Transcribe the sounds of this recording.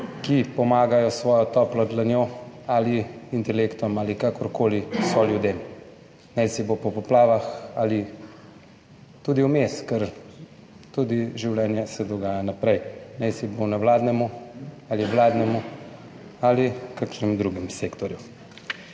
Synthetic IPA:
kipɔmaːɡajɔsʋɔːjɔt̪ɔːplɔd̪lanjoaliint̪ɛlekt̪ɔmaːlikakɔɾkoːlisɔljud̪eːm | nɛjsibopɔpɔplaːʋaxali | t̪ud̪iwmeskɛɾ | t̪ud̪iʒiwlɛnjɛsɛd̪ɔɡaːjanapɾɛjnɛjsibownɛwlaːd̪nɛmu | aliwlaːd̪nɛmu | alikakʃnɛmd̪ɾuːɡimseːkt̪ɔɾju

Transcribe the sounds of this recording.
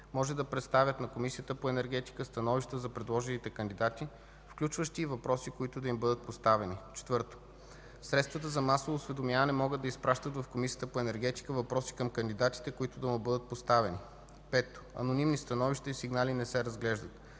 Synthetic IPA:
mɔʒɛd̪ɐpɾɛt̪st̪avʲət̪nɐkomisijət̪əpoɛnɛɾɡɛt̪i̥kəst̪ɐnɔviʃt̪əzɐpɾɛd̪lˠɔʒɛnit̪ɛkɐnd̪id̪at̪i | fklʲut͡ʃvəʃt̪iːvɐpɾɔsikoit̪ʊd̪ɐimbɤd̪ət̪̚post̪avɛnit͡ʃɛ̥t̪vɤɾt̪o̥ | sɾɛt̪st̪vɐt̪əzɐmasovoːsvɛd̪omjavɐnɛmɔɡəd̪ːɐispɾaʃt̪ət̪vɐfkomisijət̪əpoɛnɛɾɡɛt̪i̥kəvɐpɾɔsi̥kəmkɐnd̪id̪at̪i̥t̪ɛkoit̪ʊd̪ɐmubɤd̪ət̪̚post̪avɛni | pɛt̪o̥ɐ̰nonimnist̪ɐnɔviʃt̪ɐisiɡnalinɛsɛɾɐzɡlɛʒd̪ət̪

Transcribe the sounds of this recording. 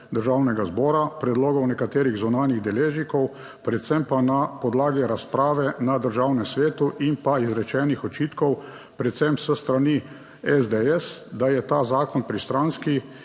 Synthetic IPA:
d̪əɾʒaːwnɛɡazbɔːɾapɾɛd̪loːɡɔwnɛkat̪eːɾiɣzunaːnjiɣd̪ɛleːʒnikɔw | pɾɛt̪sɛmpanapɔd̪laːɡiɾaspɾaːʋɛnad̪əɾʒawnɛmsʋeːt̪uʔinpaizɾɛt͡ʃɛːnixɔt͡ʃiːt̪kɔw | pɾɛt̪sɛmsəst̪ɾani | ɛzd̪ɛɛsd̪ajɛt̪aːzaːkɔnpɾist̪ɾanski

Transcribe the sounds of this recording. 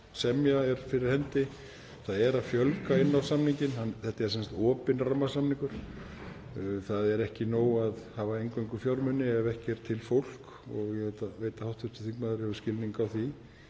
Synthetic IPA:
sɛmjaɛɾ̥fɪɾɪɾ̥hɛnt̪ɪ | θaðɛɾaðfjœlkaɪnːawsamniɲcɪnhanθɛht̪aɛɾ̥sɛnsḁt̪ɔːpɪnramːasamniŋkʏɾ̥ | θaðɛɾɛhcɪnoːwaðhaːvaejŋkœjŋkʏfjawɾmʏnːɪɛvɛhcɛɾ̥t̪ʰɪlfowl̥k | ɔɣjɛɣɛt̪aveːjt̪ahawht̪fʏst̪ɪ̥θiŋkmaðʏɾɪhɛvʏscɪlniŋkawθi

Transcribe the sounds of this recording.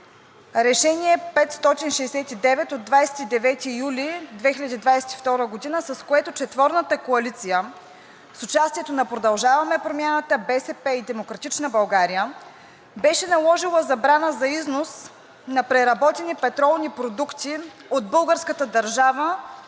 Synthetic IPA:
ɾɛʃɛniɛpɛt̪st̪ɔt̪inʃɛːsɛt̪id̪ɛvɛt̪od̪vajsɛ̥t̪id̪ɛvɛt̪ijulid̪vɛxʲilʲəd̪id̪vajsɛ̥t̪ift̪ɔɾəɡod̪inəsɐskoɛt̪ot͡ʃɛt̪vɔɾnət̪əkoɐlit̪sijə | sʊt͡ʃast̪iɛt̪onɐpɾod̪ɐlˠʒavɐmɛpɾomʲjanət̪əbɛsɛpɛid̪ɛmokɾɐt̪it͡ʃnəbɐlˠɡaɾijə | bɛʃɛnɐlˠɔʒilˠəzɐbɾanəzɐiznos | nɐpɾɛɾɐbɔt̪ɛnipɛt̪ɾɔlˠnipɾod̪ukt̪i | od̪̚bɤlˠɡəɾskət̪əd̪ɐɾʒavə

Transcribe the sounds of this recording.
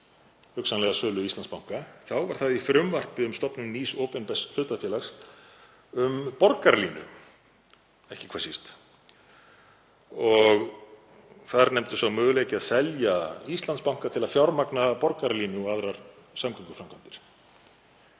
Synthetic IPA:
hʏksanlɛɣasœːlʏist̪lanspawŋ̥kaθawvaɾ̥θaðifɾʏmvar̥pɪʏmst̪ɔpnʏmniːsoːpɛnpɛslʏːt̪afjɛːlaxs | ʏmpɔɾkaɾliːnʏ̰ | ɛhcɪ̥kʰvaːsist̪ | ɔɣ | θaðɾnɛmt̪ʏsawmʏːɣʏleːcɪaðsɛljaist̪lanspawŋ̥kat̪ʰɪlaðfjawɾmaknapɔɾkaɾliːnɪɔɣaðɾaɾ̥samkʰajŋkʏ̥fɾamkʰant̪ɪɾ̥

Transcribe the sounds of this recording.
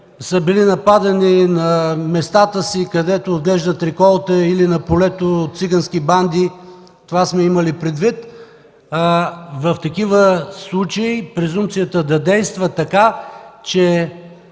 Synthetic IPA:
səbilinɐpad̪ɐninɐmɛst̪at̪əsikɐd̪ɛt̪oːd̪ɡlɛʒd̪ət̪ɾikɔlˠt̪əilinɐpolɛt̪ot̪t̪siɡɐnskiband̪i | t̪ovasmɛiməlipɾɛd̪vit̪ | vɐft̪ɐkivəslˠut͡ʃəipɾɛzumpt̪sijət̪əd̪ɐd̪ɛjst̪vət̪ɐkat͡ʃɛ

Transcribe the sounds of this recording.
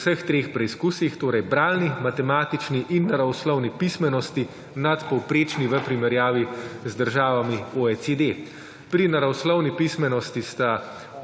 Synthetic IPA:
səxt̪ɾeːxpɾɛiskuːsixt̪oːɾɛjbɾaːlnimat̪ɛmaːt̪it͡ʃniʔinːaɾawslɔwnipismɛnɔst̪i | nat̪pɔwpɾeːt͡ʃniʋəpɾimɛɾjaːʋizd̪əɾʒaːʋamioɛt͡s̪ed̪e | pɾinaɾawslɔwnipismɛnɔst̪ist̪a

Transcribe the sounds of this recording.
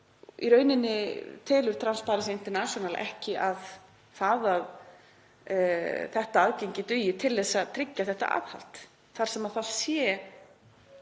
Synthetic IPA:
ḭɾœːɥnɪnːɪt̪ʰɪːlʏɾ̥t̪ʰɾanspaːɾasɪint̪ɛɾnasjɔnalʔɛ̰hcɪʔað | θaðað | θɛht̪aaðcejɲcɪt̪ʏjɪt̪ʰɪlðɛsːat̪ʰɾɪcːaθɛht̪a̰ʔa̰ðha̰l̥t̪ | θaɾ̥sɛmaðθað̥sjɛ

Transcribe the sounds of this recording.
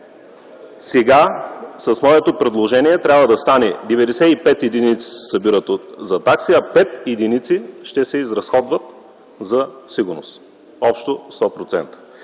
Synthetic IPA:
sɛɡasɐsmɔɛt̪opɾɛd̪lˠoʒɛniɛt̪ɾʲabvəd̪ɐst̪anɛd̪ɛvɛd̪ɛsɛipɛt̪id̪init̪si̥sɐbiɾət̪ozɐt̪aksiɐpɛt̪id̪init̪siʃt̪ɛsɛizɾɐsxɔd̪vət̪ | zɐsiɡʊɾnost̪ | ɔpʃt̪ost̪ɔpɾot̪sɛnt̪ə̥

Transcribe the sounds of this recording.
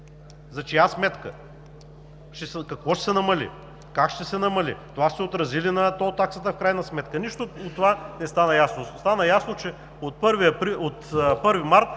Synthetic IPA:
zɐt͡ʃiasmɛt̪kə | ʃɛskɐkvɔʃɛ̥sɛnɐmɐlḭ | kakʃt̪ɛsɛnɐmɐlḭt̪ovaʃt̪ɛot̪ɾɐzilinɐt̪ɔt̪aksət̪əfkɾajnɐsmɛt̪kəniʃt̪oot̪ːovanɛst̪anəjasnost̪anəjasnot͡ʃɛ | ot̪̚pɤɾviɐpɾiot̪pɤɾvimaɾt̪̚

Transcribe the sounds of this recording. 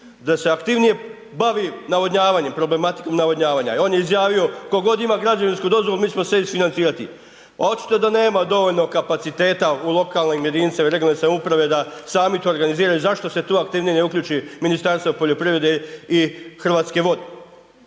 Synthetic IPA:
d̪ase̞akt̪iʋnije̞ | baʋinaʋodɲaːʋaɲe̞mpɾo̞ble̞mat̪i̥ko̞mnaʋodɲaːʋaːɲa̰o̞ːnjeizjaːʋio̞koɡo̞d̪imaɡɾad͡ʒaʋinskud̪o̞zʋo̞lumiːt͡ɕmo̞seisfinant̪siːɾat̪ḭ | a̰ot͡ʃi̥t̪od̪ane̞ːmad̪o̞ʋo̞ʎno̞kapat̪sit̪e̞ːt̪aulˠo̞kalnimje̞d̪iːnt̪samaiɾe̞ɡlonesamupɾaʋe̞d̪asaːmit̪ooɾɡaniziːɾajuzaʃt̪o̞se̞t̪oːakt̪iːʋnijeneukʎuːt͡ʃiminist̪aɾst̪ʋopo̞ʎo̞pɾiʋɾe̞d̪eixr̩ʋaːt̪ske̞ʋo̞d̪e

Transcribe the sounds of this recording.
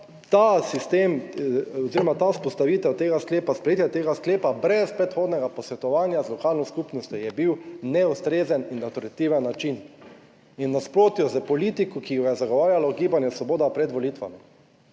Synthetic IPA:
t̪asist̪eːmoziɾɔmat̪aspɔst̪aʋiːt̪ɛwt̪eːɡaskleːpaspɾɛjet̪jɛt̪eːɡaskleːpabɾɛspɾɛt̪xoːd̪nɛɡapɔsʋɛt̪ɔʋaːnjazlɔkalnɔskupnɔst̪jɔjɛbiwnɛust̪ɾeːzəninːat̪ɾat̪iwʋɛnːat͡ʃin | inːaspɾoːt̪jɔzəpɔliːt̪ikɔkijɔɡajɛzaɡɔʋaːɾjalɔɡiːbanjɛsʋɔboːd̪apɾɛd̪ʋɔlit̪ʋa̰mi

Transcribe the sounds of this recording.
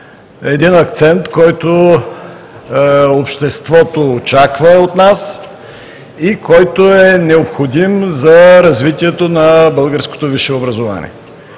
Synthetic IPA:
ɛd̪inɐkt̪sɛnt̪kɔjt̪o | opʃt̪ɛst̪vɔt̪oːt͡ʃakvɐot̪nas | ikɔjt̪oɛnɛopxod̪imzɐɾɐzvit̪iɛt̪onɐbəlˠɡəɾsko̥t̪oviʃɛobɾɐzova̰nʲḭɛ

